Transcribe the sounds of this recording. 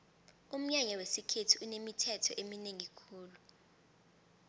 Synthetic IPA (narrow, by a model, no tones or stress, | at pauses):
um̩ɲaɲawesikʰetʰiunemitʰɛtʰɔʔemineŋikʰuːlu